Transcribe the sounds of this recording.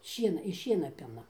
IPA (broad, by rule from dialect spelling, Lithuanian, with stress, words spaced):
ˈʃʲiɛnɐ ɪʃ ˈʃʲiɛnɐ ˈpʲɪnɐ